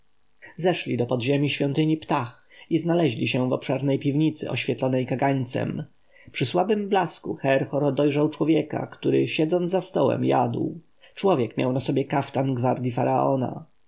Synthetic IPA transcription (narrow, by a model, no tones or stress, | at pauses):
zɛʂlʲid̪ɔpɔd̪ʑemʲiɕfʲjɔnt̪ɘɲipt̪ax | iznalɛʑlʲiɕɛvɔpʂɛɾnɛjpʲivɲit̪sɘ̰ʔɔ̰ɕfʲjɛt̪lɔnɛjkaɡaɲt̪sɛ̰m | pʂɘswabɘmblaskuxɛɾxɔɾɔd̪ɔjʐawt͡ʂwɔvʲjɛka̰kt̪uɾɘ̰ɕɛd̪zɔnzast̪ɔwɛ̰mja̰d̪w | t͡ʂwɔvʲjɛkmʲja̰wnasɔbʲjɛkaft̪anɡvaɾd̪ʲjifaɾaʔɔ̰na̰